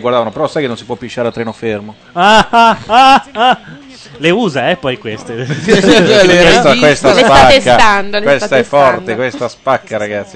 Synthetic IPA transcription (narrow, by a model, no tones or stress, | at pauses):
ɡwaɾrd̪avanopeɾɔsːajkenːõnsi̥pwɔpːiʃːaːɾealt̪ɾɛːnofermo | aaaa | leuːzaɛpːɔjkwest̪e | kwest̪akwest̪asaaesːaand̪owest̪aɛfːɔrt̪ekwest̪aspakːaɾaɡat̪sːi